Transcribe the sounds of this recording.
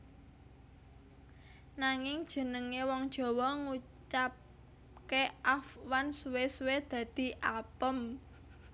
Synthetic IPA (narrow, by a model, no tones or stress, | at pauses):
naŋɪŋd̥ʒ̥ə̤nəŋewɔŋd̥ʒ̥ɔ̤wɔŋut͡ʃap̚ | keʔafwansuwesuwed̪̥ä̤d̪̥i̤ʔapəm